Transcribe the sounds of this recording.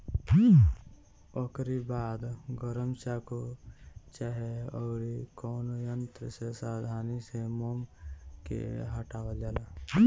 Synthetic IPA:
okɾibaːd̪ɡəɾəmt͡ʃako | t͡ʃaɦeɔːɾikɔːnojənt̪ɾəsesaːd̪ʱaːnisemomkḛɦəʈaːʋəd͡ʒaːlaː

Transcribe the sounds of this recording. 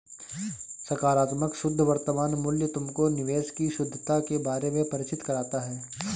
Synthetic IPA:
sɐɾkaːɾaːt̪məkʃʊd̪ʱːʋɐɾt̪əmaːnmʊljət̪ʊmkonɪʋeːʃkiʃʊd̪ʱːət̪akebaːɾemẽpɐɾɪt͡ʃɪt̪kɐɾaːt̪aɦɛː

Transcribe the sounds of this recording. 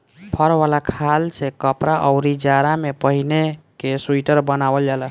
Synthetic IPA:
pʰəɾʋalakʰalsekəpɾaʔəʊɾid͡ʒaɾamepəɦinekesuiʈəɾbənabəld͡ʒalə

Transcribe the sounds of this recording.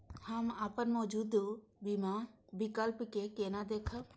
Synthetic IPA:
həmaːpənmɔːd͡ʒuːd̪bimabikəlpkekeːnad̪eːkʰə

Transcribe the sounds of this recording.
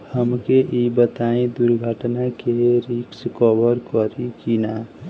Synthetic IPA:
həmkeʔibət̪aĩd̪uɾɡʱəʈnakeɾikskɔbəɾkɔɾikina

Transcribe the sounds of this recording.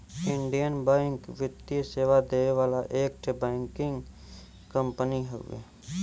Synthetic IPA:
ɪ̃ɳɖijənbãːŋkʋɪt̪iseːʋad̪eːeʋaːlaʔeːk̚ʈʰebɛ̃ːŋkɪ̃ŋɡ | kə̃mpəniɦo̰ḛː

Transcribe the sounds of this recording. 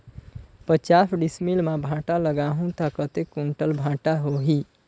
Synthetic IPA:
pət͡ʃasɖismilmabʱãʈaləɡaɦũt̪akət̪ekuɳʈəlbʱãʈaɦoɦi

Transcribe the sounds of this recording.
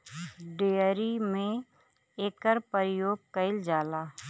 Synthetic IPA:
ɖeːɾimẽ | eːkəɾpəɾɪjoːɡ̚kəɪld͡ʒaːlaː

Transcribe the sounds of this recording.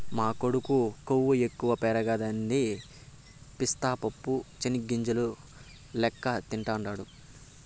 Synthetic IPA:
maːkoɽukukowːuekːuʋɐpɛːɾɐɡad̪ɐnːi | pist̪aːpɐpːut͡ʃeniɡːiɲd͡ʒɐlu | lɛkːɐt̪iɳʈaːɳɖaːɽu

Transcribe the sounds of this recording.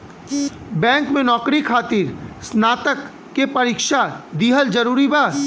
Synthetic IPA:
bɛ̃ːŋkmẽnɔːkɾikʰaːt̪ɪɾsnaːt̪əkː | epɐɾiːkʃad̪iːɦəld͡ʒɐɾuːɾibaː

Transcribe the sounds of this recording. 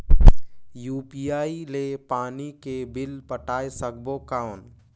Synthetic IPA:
juːpiaːilepaːnikebɪlpəʈaːesək̚bokaːwn

